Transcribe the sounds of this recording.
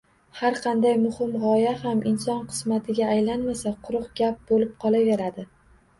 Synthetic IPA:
haɾqʰɑnd̪ajmʊhɪmʁɒjahamɪnsɒnqʰɨ̥smat̪ʰɪɡʲaːjlanmasaqʰʊɾʊqɡʲap̚bolɪp̚qʰɒlˠaveɾad̪ɪ

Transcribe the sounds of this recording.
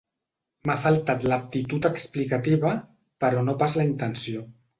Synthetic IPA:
mafalˠt̪at̪lap̚t̪it̪ut̪əksplikat̪iβə | pəɾɔnopazləint̪ənsio

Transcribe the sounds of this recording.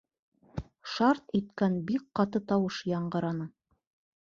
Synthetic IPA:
ʃɑɾt̪it̪kænbik̚qɑt̪ɤt̪ɑwɤʃjɑɴɢɤ̆ɾɑnɤ

